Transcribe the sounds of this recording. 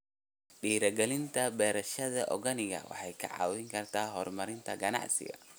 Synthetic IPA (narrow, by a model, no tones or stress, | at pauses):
ɖiːɾɐɡɛlɪnt̪ʰɐbɛːɾɐʃɐðɐʔɔɣɐnɪɣɐ̰wɑ̰ħɑjkʰɐ̰ʕɑ̰ːwɪŋkʰɐrt̪ʰaːɦɔːrmɐɾɪnt̪ʰɐɡɐnɑ̰ʕsɪ̰ɣɐ̰